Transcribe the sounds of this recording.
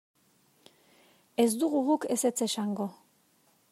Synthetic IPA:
e̞zd̪uɣuɣukese̞t͡se̞saŋɡo̞

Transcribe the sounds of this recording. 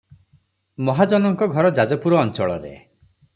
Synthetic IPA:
mɔɦad͡ʒɔnɔŋkɔɡʱɔɾɔd͡ʒad͡ʒɔpuɾɔːnt͡ʃɔɭɔ̰ɾḛ

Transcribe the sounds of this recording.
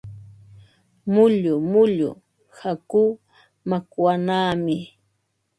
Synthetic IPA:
mʊʎʊmʊʎʊ̰ | hakuː | makwanaːmɪ

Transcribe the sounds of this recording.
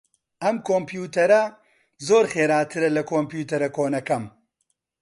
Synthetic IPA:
ɐmkʰoːmpjuːt̪ɐɾɐ | zoːɾxeːɾaːt̪ʰɨɾɐlɐkʰoːmpjuːt̪ɐɾɐkoːnɐkɐm

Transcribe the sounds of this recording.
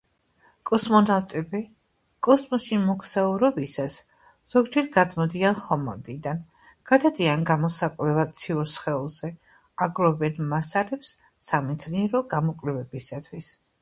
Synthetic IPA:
kʼɔsmɔnavt̪ʼɛbi | kʼɔsmɔsimɔkʰsauɾɔbisas | z̥ɔɡd͡ʒɛɾɡad̪mɔd̪ianχɔmɔ̰nd̪ʼid̪an | ɡ̥ad̪ad̪ianɡamɔsakʼvlɛvat̪sʰiuɾsχɛulˠzɛ | aɡɾɔbɛnmasalɛpsː | amid̪z̥niɛɾɔɡamɔkʼlɛvɛbisat̪ʰwis

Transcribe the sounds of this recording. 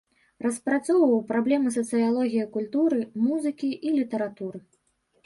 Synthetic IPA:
rɐspɾat̪sɔwvɐwpɾablʲɛmɨs̬ɐt̪sɨjalˠɔɣʲijɐkulʲt̪uɾɨmuzɨkʲiʔilʲit̪ɐɾat̪uɾɨ

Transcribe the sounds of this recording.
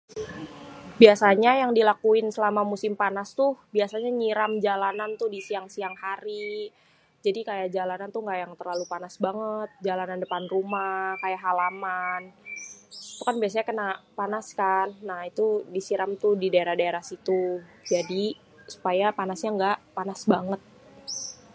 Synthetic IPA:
biasaɲajaŋdilakuɪnsəlamamusɪmpanast̪ʊhbiasaɲaɲiɾamd͡ʒalanant̪ʊdisiaŋsiaŋhaɾi | d͡ʒadikajad͡ʒalanant̪ʊhŋɡaʔjaŋt̪ərlalupanasbaŋət̪̚d͡ʒalanandəpanrumakajaɦalaman | it̪ukanbias̬aɲakənaʔpanaskanːahit̪udisiɾamt̪ʊhdidaeɾahdaeɾahsit̪ud͡ʒadi | su̥pajapanasɲaŋɡaʔpanasbaŋət̪̚

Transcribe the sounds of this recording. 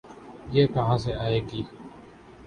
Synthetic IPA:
jeːkəɦãːs̬eːaːeːɡiː

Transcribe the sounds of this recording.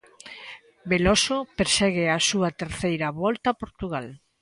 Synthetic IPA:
belosopeɾsɛɣeasuɐt̪eɾθejɾɐβɔlt̪apoɾt̪uɣal

